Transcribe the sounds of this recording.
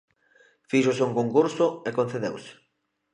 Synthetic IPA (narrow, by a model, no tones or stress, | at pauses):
fiʃoʊsuŋkoŋkuɾsʊekõn̟θeðḛwsɪ̥